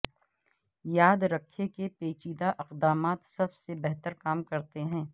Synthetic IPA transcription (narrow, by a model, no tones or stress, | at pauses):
jaːd̪ɾɐkʰːekepeːt͡ʃiːd̪aʔɪqd̪aːmaːt̪sɐbsebɛɦt̪əɾkaːmkɐɾt̪eɦɛ̃ː